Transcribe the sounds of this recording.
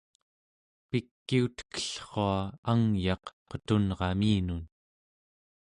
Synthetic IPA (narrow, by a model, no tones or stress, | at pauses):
pikːiut̪kə̥ɬχoaaŋjɑqqət̪unʁɑmiːnun